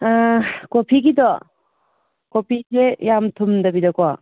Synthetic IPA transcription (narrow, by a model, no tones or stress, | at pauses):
kopʰiɡidɔ | kopʰizejamtʰumdɐbidɔkɔ